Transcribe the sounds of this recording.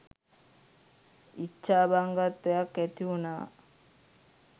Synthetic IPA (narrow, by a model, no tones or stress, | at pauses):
it͡ʃːaːbaŋɡat̪ːejakːæt̪iunaː